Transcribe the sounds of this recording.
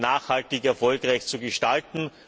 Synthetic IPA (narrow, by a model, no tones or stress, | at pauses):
naːxhaltɪkɛɐfɔlkʁaɪçt͡suɡəʃtaltn̩